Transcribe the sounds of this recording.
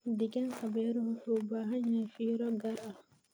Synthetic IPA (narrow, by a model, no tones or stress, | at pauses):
diɡɛnhabɛɾuhhubaɦaɲafiːɾɔɡaɾʔa